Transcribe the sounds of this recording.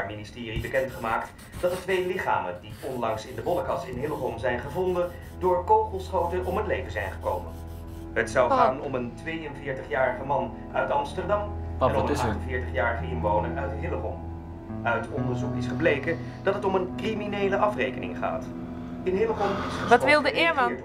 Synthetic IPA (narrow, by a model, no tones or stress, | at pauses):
ministɪːribəkɛntχəmaːkt | d̥ɑtətʋejlɪχa̰ːməndiɔnlɑŋsɪndəbɔləkɑsɪnɦɪləχɔmzɛjnχəvɔndə | dʊːɹkowχəlˠsχowtənʔɔmɦətlejvənzɛjnχə̥ko̰wmən | ɦətsɑwχaːnɔməntʋejənvɪːɹtəχjaːrəχəmɑn | œɥtɑmstəɹdɑmɛnɔmɑχtənvɪːɹtəχjaːrəχəɪnʋownə̰ʔœɥtɦɪləχɔ̰m | œɥtɔndəɹzukɪsχəblejkən | d̥ɑtɦətɔmənkriminejləʔɑfrejkənɪ̰ŋχa̰ːt | ɪnɦɪləχɔnɪsəʋɑtʋɪlˠdəɪːɹmɑn